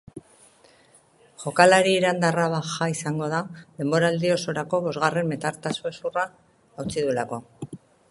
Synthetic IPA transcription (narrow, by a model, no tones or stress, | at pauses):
ʝo̞kalaɾiːɾand̪araβaxaisaŋɡo̞ðaðe̞mbo̞ɾaːld̪io̞so̞ɾako̞βo̞zɣare̞mbe̞t̪aɾt̪asue̞suraː | wt͡siðulako̞